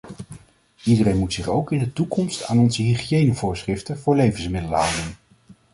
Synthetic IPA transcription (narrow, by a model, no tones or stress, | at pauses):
idəɾejnmutsɪχowkɪndətukɔmsta̰ːnɔnzəɦiχijejnəvʊːɹsχrɪftəvʊːɹlejvənsmɪdələɦawdən